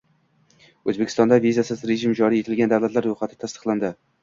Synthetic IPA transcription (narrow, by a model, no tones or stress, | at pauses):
ɵzbekʲʰɪst̪ɒnd̪avizasɪzɾe̞ʒɪmd͡ʒɒɾije̞t̪ʰɪlɡʲand̪awlat̪laɾːojχat̪ʰɪ̥t̪ʰast̪ɨ̥qlˠand̪ɪ